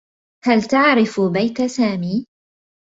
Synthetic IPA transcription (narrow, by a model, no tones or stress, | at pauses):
halt̪aʕɾɪfbajt̪asaːmiː